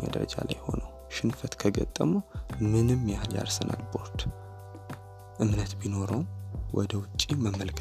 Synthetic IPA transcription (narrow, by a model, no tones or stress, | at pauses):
mə̰d̪əɾə̰d͡ʒa̰lajho̞nəw | ʃɪnfət̪kʰəɡə̰t̪ʼːəmumɨnɨmːjahalja̰ɾsənʔa̰lbo̞ɾt̪ | ʔɨmnət̪bino̞ɾəwwʔɔd̪əwʊt͡ʃʼːiməmːəlkʰ